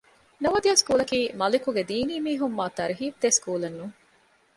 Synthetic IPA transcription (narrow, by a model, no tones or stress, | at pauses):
nɐʋɐd̪ijaːskuːlɐkiːmɐlikuɡed̪iːniːmiːɦumːaːt̪ɐɾiɦiːfd̪eskuːlɐnːuːŋ